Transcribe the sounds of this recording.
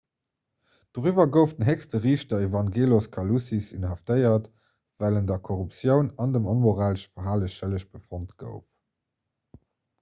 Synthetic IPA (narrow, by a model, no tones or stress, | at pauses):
d̥oʁyvɐɡəʊftənɦɛkstəʁiːʃtɐevɑŋɡeːloskʰɑlusisḭnɦɑftəɪɐt | v̥æləndɐkʰoʁupsjəʊnɑndəmonmoʁaːləʃfɐɦaːləɕʃələɕb̥əfontɡ̥ə̰ʊf